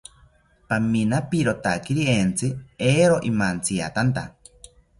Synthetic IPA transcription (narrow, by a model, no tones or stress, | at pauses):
paminapiɾot̪akiɾient͡sɨeːɾoʔimant͡sia̰t̪ant̪a